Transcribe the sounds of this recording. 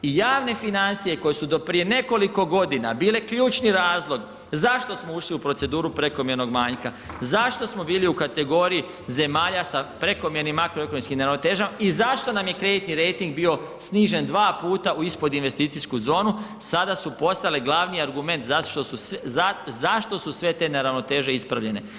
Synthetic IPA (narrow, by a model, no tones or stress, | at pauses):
ijaːʋne̞finant̪sije̞ko̞jesud̪o̞pɾije̞ne̞ko̞liko̞ɡo̞d̪inabiːle̞kʎuːt͡ʃniɾaːzlˠo̞ɡ | zaʃt̪o̞smouʃliupɾotse̞d̪uːɾupɾe̞ko̞mje̞ɾno̞ɡmaːɲka | zaʃt̪o̞smo̞biːliukat̪e̞ɡo̞ɾiji | ze̞maːʎasapɾe̞ko̞mje̞ɾnimːakɾoe̞ko̞nomskimneɾaʋnot̪e̞ːʒamaizaʃt̪o̞namje̞kɾe̞d̪it̪niɾe̞jt̪iŋɡ̚biːo̞ | sniːʒe̞nd̪ʋaːpuːt̪aʔuispo̞d̪inʋe̞st̪iːt̪iskuzo̞ːnusad̪asupo̞st̪aleɡlˠaʋnijaɾɡume̞nt̪zaʃt̪osuazaʃt̪o̞susʋe̞t̪e̞neɾaʋno̞t̪e̞ːʒe̞ispɾaʋʎe̞ne̞